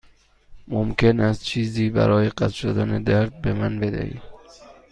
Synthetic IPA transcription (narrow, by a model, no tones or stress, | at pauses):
momkʰe̞næst̪̚t͡ʃʰiːziːbæ̰ɾɒːjeɢæt̪ʃod̪æned̪æɾd̪̚be̞mænbe̞d̪æ̰hḭːm